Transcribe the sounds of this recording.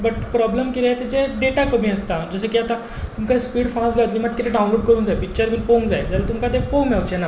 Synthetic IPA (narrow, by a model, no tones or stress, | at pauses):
bəʈpɾɔbləmkilet̪ed͡ʑeɖeʈakəm̤iəst̪ad͡zəsekiat̪a | t̪umkaspiːɽfãsləʋət̪liːmad̪̚kit̪ʰeɖawnloɽkəɾuːnd͡zaepik̚t͡ɕəɾminpoŋɡd͡zaed͡zaɾat̪umkat̪epõŋmawt͡ɕena